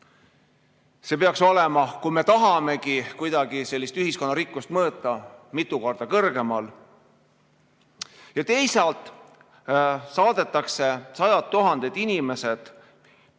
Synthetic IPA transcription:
se̞peɑkso̞le̞mɑkujme̞t̪ɑɦɑme̞kikujd̪̥ɑɡise̞lʲːist̪yɦisko̞nːɑɾikːˑust̪mɤːt̪ːˑɑmit̪ːˑuko̞rd̪̥ɑkɤrɡ̥e̞mɑl | jɑt̪e̞jsɑlt̪ˑ | sɑːd̪̥e̞t̪ːˑɑkse̞sɑjɑt̪ːuɦɑnd̪̥e̞d̪̥inʲime̞se̞d̪̥

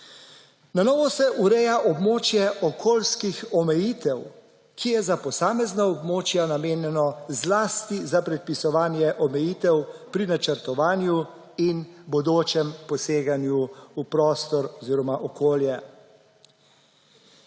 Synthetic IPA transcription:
nanɔːʋɔsɛʔuɾɛːjaʔɔbmoːt͡ʃjɛʔɔkʰoːlskixɔmɛjiːt̪ɛw | kʰijɛzapɔsaːmɛznaɔbmoːt͡ʃjanameːnjɛnɔzlaːst̪izapɾɛt̪̚pisɔʋaːnjɛʔɔmɛjiːt̪ɛwpɾinat͡ʃəɾt̪ɔʋaːnju | inbɔd̪oːt͡ʃɛmpɔseːɡanjuupɾɔːst̪ɔɾɔziːɾɔmaʔɔkoːljɛ

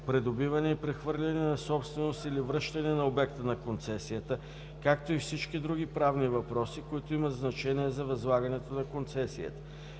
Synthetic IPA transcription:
pɾɛd̪obivɐnɛipɾɛxvɤɾlʲɐnɛnɐsɔpst̪vɛnost̪ilivɾɤʃt̪ɐnɛnɐobɛk̚t̪ənɐkont̪sɛsijət̪ə | kak̚t̪oifsit͡ʃkid̪ɾuɡ̟ipɾavnivɐpɾɔsikoit̪oimɐt̪znɐt͡ʃɛniɛzɐvɐzlˠaɡɐnɛt̪onɐkont̪sɛsijə̰t̪ə̥

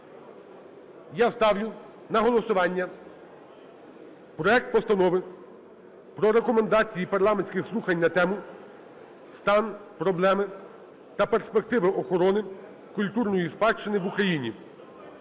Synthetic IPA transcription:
jast̪ɑwlʲʊ | nɐɦɔlˠɔsʊʋɑnʲːɐ | pɾɔɛk̚t̪̚pɔst̪ɐnɔʋɪ | pɾɔɾekɔmend̪ɑt͡sʲijipɐrlˠɑmenʲsʲkʲɪxslˠuxɐnʲnɐt̪ɛmʊ | st̪ɑnpɾɔblˠɛmɪ | t̪ɐpe̞rspe̞k̚t̪ɪʋɪʔɔxɔɾɔnɪ | kʊlʲt̪urnɔjispɑt͡ʃːenɪʋʊkɾɐjinʲḭ

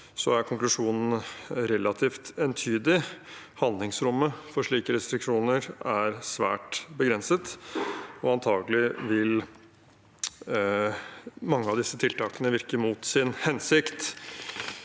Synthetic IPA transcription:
sɔæɾkʰʊŋklʉʂuːnn̩ɾɛlːɑt̪ʰiːft̪ɛnt̪ʰyːd̪ɪ | hɑnd̪lɪŋsɾʊmːəfɔʂɭiːkəɾɛst̪ɾɪkʂuːnəɾæɾsʋæ̰ːʈbəɡɾɛnsət̪ | ɔɑnt̪ʰɑːɡəlɪʋɪl | mɑŋːəɑʋd̪ɪsːət̪ʰɪlt̪ʰɑːkənəʋɪɾkəmuːt̪sɪnhɛnsɪkt̪

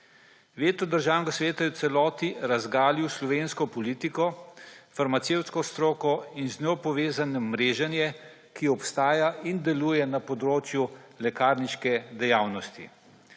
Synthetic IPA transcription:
ʋeːt̪ɔd̪əɾʒaːwnɡasʋeːt̪ajɛwt̪sɛlɔːt̪iɾazɡaːliwslɔʋeːnskɔpɔliːt̪ikɔfaɾmat̪sewt̪skɔst̪ɾoːkɔinznɔpɔʋeːzanɛmɾeːʒanjɛ | kiɔpst̪aːjaʔind̪ɛlujɛnapɔd̪ɾoːt͡ʃju | lɛkaːɾniʃkɛd̪ɛjaːwnɔst̪ḭ

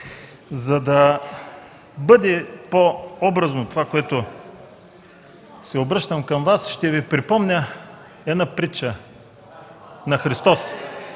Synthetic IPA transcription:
zɐd̪ɐ | bɤd̪ɛpoɔbɾɐznot̪ovakoɛt̪ʊ | sɛobɾɤʃt̪əmkɐmvasʃt̪ɛvipɾipɔmnʲə | ɛd̪napɾit͡ʃə | nɐxɾist̪ɔs

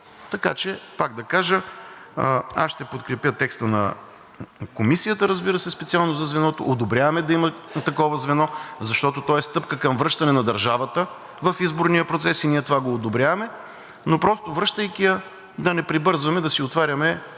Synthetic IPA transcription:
t̪ɐka̰t͡ʃɛpaɡ̚d̪ɐkaʒə | a̰sʃt̪ɛpot̪kɾɛpjət̪ɛkst̪ənɐ̰ | komisijət̪əɾəzbiɾəsɛspɛt̪sialˠnozɐzvɛnɔt̪o̰ʔod̪obɾʲjavɐmɛd̪ɐimɐt̪ɐkɔvəzvɛnɔzɐʃt̪ɔt̪ot̪ɔɛst̪ɤpkəkɐmvɾɤʃt̪ɐnɛnɐd̪ɐɾʒavɐt̪ə | vɐfizboɾnijəpɾot̪sɛsiniɛt̪ovaɡoːd̪obɾʲjavɐmɛ | nopɾɔst̪ovɾɤʃt̪əjkijə | d̪ɐnɛpɾibɤɾzvɐmɛd̪ɐsiot̪vaɾʲɐmɛ

